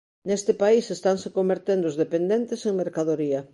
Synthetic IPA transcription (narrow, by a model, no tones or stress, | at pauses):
nest̪ɪpaisest̪aŋsekombeɾt̪end̪oʊzðepend̪ent̪eseŋmeɾkaðoɾiɐ